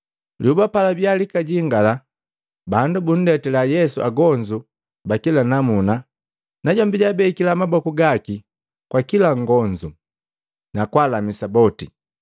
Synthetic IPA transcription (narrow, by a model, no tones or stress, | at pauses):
ljubapalabjalikaɟiŋɡala | bandubun̩dɛtɛlajɛsuaɡɔɲd͡ʒu | bakilanamuna | naɟɔmbiɟabɛikilamabɔkuɡaki | kwakilaŋɡɔɲd͡ʒu | nakwalamisabɔti